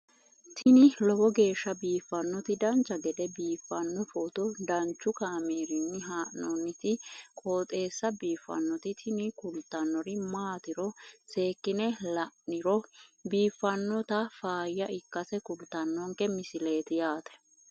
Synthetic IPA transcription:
t̪ʰɪnɪlɔbɔɡe̞ːʃːɐbiːfːɐnːɔt̪ɪd̪ɐnt͡ʃːɐɡɛd̪ɛbiːfːɐnːɔfɔt̪ɔd̪ɐnt͡ʃːʊkaːmiːɾɪnːɪɦaːʔnɔnːɪt̪ɪkʼoːt̪ʼe̞ːsːɐbiːfːɐ̰nːɔt̪ɪt̪ʰɪnɪkʊlt̪ːɐnːɔɾɪmaːt̪ɪɾɔse̞ːkːɪnɛlɐʔɪɾɔbiːfːɐnːɔt̪ɐfaːjɐɪkːɐsɛkʊlt̪ːɐnːɔŋkɛmɪsɪle̞ːt̪ɪjaːt̪ɛ̥

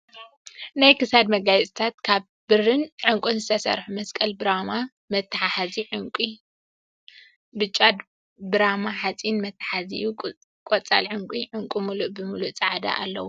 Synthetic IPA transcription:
najkɨsad̪mɐɡajt͡sʼt̪ʰat̪kʰaβ | bɨrɨnʕɨŋkʷʼunzɨt̪ʰɐsɐ̰ɾħumɐskʼɐlbɨɾama | mɐt̪ːaħaħaziʕʊŋkʼi | bɨt͡ʃʼːad̪ | bɨɾamaħat͡sʼinmɐt̪ʰːḁħazḭju | kʼot͡sʼa̰lʕʊŋkʷʼiʕɨŋkʼumuluʔbɨmuluʔt͡sʼaʕad̪a̰ʔa̰lːɐ̰wu

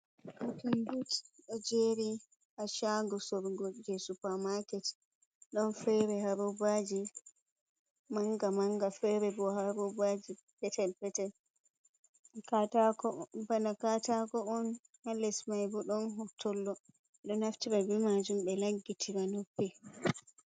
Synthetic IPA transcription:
utinbutɗɛd͡ʒeɾi | ʔaʃaɡɔsɔɾɡɔd͡ʒɛsupamakɛt | ɗɔnfɛɾɛhaɾɔbad͡ʒi | maŋɡamaŋɡafɛɾɛbɔhaɾɔbad͡ʒi | pɛtɛlpɛtɛl | katakɔbanakatakɔɔn | halɛsmajbɔɗɔnɦɔtʰːɔlːɔ | ɛɗɔnhaftiɾabimad͡ʒumɓɛlaɡːitʰiɾanopːɛ

